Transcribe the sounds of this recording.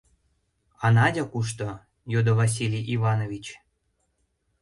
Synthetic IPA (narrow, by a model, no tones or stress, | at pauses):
ɑnɑdʲɑkuʃ̬t̪o | jod̪ovɑs̬ʲilʲijʔivɑnovʲit͡ɕ